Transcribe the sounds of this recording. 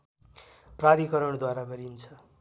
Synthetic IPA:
prad̪ikʌɾʌɳd̪waɾaɡʌɾint͡sʰʌ

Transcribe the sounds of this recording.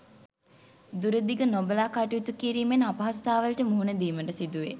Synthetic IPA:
d̪uɾəd̪iɡənobəlaːkaʈuit̪ukiɾiːmenapɐɦast̪aːʋəlʈəmuɦunəd̪iːməʈəsid̪uʋe

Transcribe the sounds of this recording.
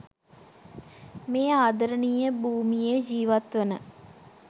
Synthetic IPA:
meːaːd̪əɾənijəbuːmijed͡ʒiːʋat̪ʋənə

